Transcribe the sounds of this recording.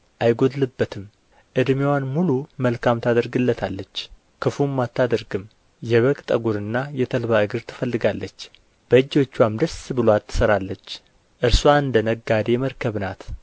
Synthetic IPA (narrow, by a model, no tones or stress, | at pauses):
ʔajɡod̪lɨbːət̪ʰɨm | ʔɨd̪mewanmuluməlkʰamt̪ʰad̪əɾɡɨlːət̪ʰalːət͡ʃː | kʰɨfumːat̪ːad̪əɾɡɨm | jɛβəkʼt̪ʼəɡuɾɨnːajɛt̪ʰəlβaɨɡɨɾt̪ʰɨ̥fəlːɨɡalːət͡ʃː | b̥əɨd͡ʒːo̞t͡ʃːwamd̪əsbɨloat̪ːɨ̥səɾalːət͡ʃː | ʔɨɾswaɨnd̪ənəɡːad̪eɛməɾkʰəβnat̪